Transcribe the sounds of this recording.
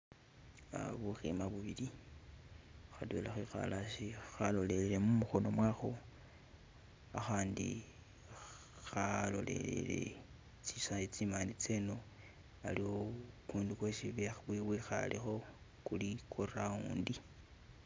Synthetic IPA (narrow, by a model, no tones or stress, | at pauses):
a̰βuximaβuβili | xadwḛlaxwixa̰lʔaʃixalo̞le̞lele̞mumuxo̞no̞mwaxo | axaːndḭ | xalo̞̰le̞̰lḛle̞̰ | t͡sisait͡simanit͡seno̞ | a̰liwokuːndikwesiβeβwiwixa̰lixo̞ | kulikʰorauːndi